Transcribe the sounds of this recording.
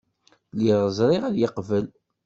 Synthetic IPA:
liʁəzˤɾˤɪʁæðjəqvəl

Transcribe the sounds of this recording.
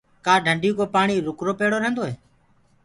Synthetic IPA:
kaːɖʱəɳɖʱijũːkoːpaːɳiːɾʊkɾoːpeːɽoːɾəɦənd̪oːɦeː

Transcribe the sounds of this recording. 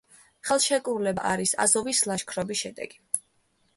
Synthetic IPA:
χɛlˠʃɛkʼuɾlɛbaʔaɾisa̰zɔvislˠaʃkʰɾɔbisʃɛd̪ɛ̰ɡ̥i̥

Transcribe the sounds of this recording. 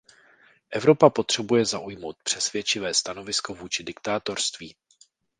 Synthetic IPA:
ʔɛvɾo̞papo̞t̪r̝̥ɛbujɛzaʔujmo̞wt̪̚pr̥ɛsvjɛt͡ʃɪvɛːst̪ano̞vɪsko̞vuːt͡ʃɪdɪkt̪aːt̪o̞ɾst̪viː

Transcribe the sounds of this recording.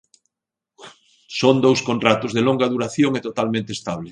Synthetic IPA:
sond̪owskõnrat̪ʊzðeloŋɡaðuɾaθjoŋet̪ot̪almẽnt̪est̪aβle

